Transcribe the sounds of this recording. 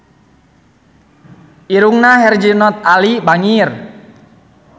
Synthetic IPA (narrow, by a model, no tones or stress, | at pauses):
ʔiɾuŋnaɦɛrd͡ʒinɔt̪̚alibaŋir